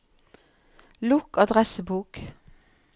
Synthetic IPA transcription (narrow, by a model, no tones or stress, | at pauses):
lʊkɑd̪ʁɛsəbuːk